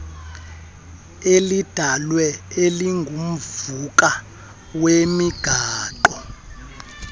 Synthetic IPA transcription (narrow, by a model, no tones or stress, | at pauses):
elid̥ʱalwɛeliŋɡʱum̩vuk̬ʼa | wemiɡ̥ʱaːǃɔ